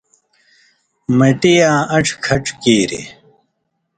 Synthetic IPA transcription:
mɐʈijãːɐʈ͡ʂʰkʰɐʈ͡ʂkeːɾḛ

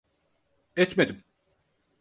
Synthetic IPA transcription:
ɛt̪med̪im

